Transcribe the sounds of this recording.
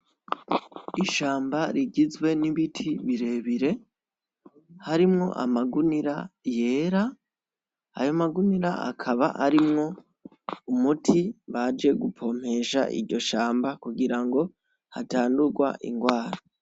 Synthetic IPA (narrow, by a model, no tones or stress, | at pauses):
iʃaːmbaɾiɡizɡwe̞niβitʰiβiɾe̞βiɾe̞ | haɾimŋo̞̰ʔa̰maɡuniɾaje̞ːɾa | a̰jo̞maɡuniɾa̰a̰kʰaβa̰ʔaɾimŋo̞ | umutʰiβad͡ʒe̞ɡupʰo̞m̥e̞ʃa̰ʔḭɾɟo̞ʃaːmbakuɡiɾaŋɡo̞ | hataːnduɾɡwa̰ʔḭŋɡwaːɾo